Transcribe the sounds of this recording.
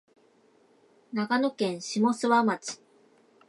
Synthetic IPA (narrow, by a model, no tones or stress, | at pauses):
nakano̞kẽ̞ɰ̃ɕimo̞sɨβamat͡ɕi̥